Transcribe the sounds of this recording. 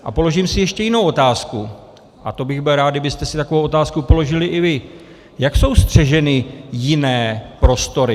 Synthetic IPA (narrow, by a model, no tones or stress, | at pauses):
ʔa̰po̞lo̞ʒiːmsɪjɛʃcɛjɪnowʔo̞t̪aːsku | ʔat̪o̞bɪɣbɪlɾaːd̪̚dɪbɪst̪ɛsɪt̪akovowʔo̞t̪aːskupo̞lo̞ʒɪlɪʔɪvɪ | jakso̞wst̪r̝̥ɛʒɛnɪjɪnɛːpɾo̞st̪o̞ɾɪ